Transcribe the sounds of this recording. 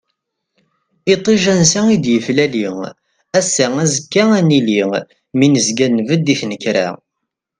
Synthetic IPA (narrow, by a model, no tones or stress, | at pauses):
it̪ˤːiʒænsæid̪jəflæliŋ | æsːæŋæzəkːæænili | minəzɡænːvəd̪ːiθnəkɾæ̰